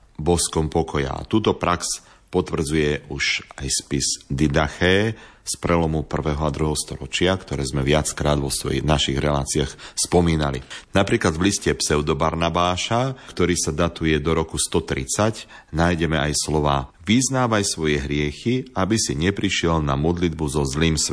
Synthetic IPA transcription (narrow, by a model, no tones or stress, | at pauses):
bɔskɔmpɔkʰɔja̰a̰t̪uːt̪ɔpɾaks | pɔt̪ʋr̩d͡zujɛuʃajspizd̪id̪axɛːspɾʔɛlɔmupr̩ʋɛːɦɔad̪ɾuɦɛɦɔst̪ɔɾɔt͡ʃɪakt̪ɔɾɛːzmɛʋɪat͡skɾaːd̪ʋɔsɔ̰inaʃiɣɾɛla̰ːt͡siaxspɔmiːna̰lḭnapɾiːklad̪ʋliscɛpsɛʊd̪ɔbaɾnabaːʃakt̪ɔɾiːsad̪at̪ujɛd̪ɔɾɔkust̪ɔt̪ɾit͡sac | najɟɛmɛajslɔʋaː | ʋiznaːʋajsʋɔjɛɦɾɪɛxiabisiɲɛpɾiʃɪɛlnamɔd̪lid̪buzɔzliːms